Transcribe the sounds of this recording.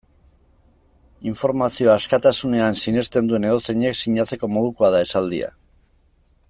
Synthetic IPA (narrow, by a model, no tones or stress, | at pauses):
iɱfo̞ɾmasio̞askat̪asune̞ansine̞st̪e̞nd̪ue̞ne̞ɣo̞t͡seɲeksiɲat͡se̞ko̞mo̞ð̞ukuaðae̞sald̪ḭa̰